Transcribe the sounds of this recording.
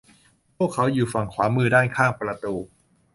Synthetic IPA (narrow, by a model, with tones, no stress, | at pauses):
pʰu˥˩əkʰːa˦˥wjuː˨˩fa˨˩ŋkʰwaː˩˦mɯː˧daː˥˩nkʰaː˥˩ŋpɾa˧t̪uː˧